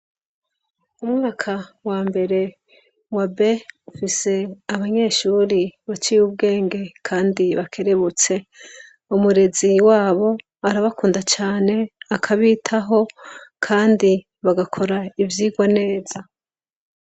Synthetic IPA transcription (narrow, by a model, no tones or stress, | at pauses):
umuβakʰawaːmbe̞ɾe̞ | wabe̞ufise̞aβaɲe̞ːʃuːɾiβat͡ʃiub̚ɡe̞ːŋɡe̞kʰaːndiβakʰe̞ɾe̞βut͡se̞ | umuɾe̞ziwaːβo̞ | aɾaβakuːndat͡ʃaːne̞akʰaβiːtʰaɦo̞kʰaːndi | βaɡakʰo̞ɾaivjiːɡwane̞ːz̥a